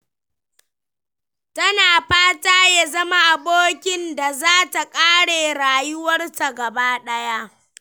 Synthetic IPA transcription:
tɐ˦naː˨ɸaː˦taː˦ja˦zɐ˦ma˦ʔa˨boː˦kʲɪ˦nda˨zaː˦ta˨kʼaː˦ɽeː˨ɽaː˨jʊ˦wɐ˦rsa˨ɡɐ˨baː˦ɗɐ˦ja˦ʔ

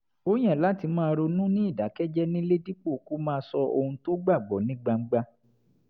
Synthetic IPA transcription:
o˦j̃ɛ̃˦˨la˦ti˧mãː˦˧ɾo˧nũ˦nĩ˦i˦˨da˨˦kɛ˦d͡ʒɛ˦nĩ˦le˦di˦k͡po˦˨ku˦mãː˦˧sɔ˧ʔo˧hũ˧to˦ɡ͡ba˦˨ɡ͡bɔ˨˦nĩ˦ɡ͡ba˧ŋ͡m̩˦ɡ͡ba˧

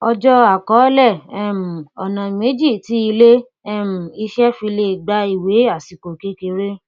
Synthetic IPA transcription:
ɔ˧d͡ʒɔ˦a˦˨kɔ˨˦lɛ˦˨ɛ˦˨m̩˨ɔ˨nã˨me˨˦d͡ʒi˦˨ti˦i˧le˦ | ɛ˦˨m̩˨i˧ʃɛ˦fĩ˧le˧˨ɡ͡ba˧˦i˨we˨˦a˦˨si˨ko˨ke˨˦ke˧ɾe˦

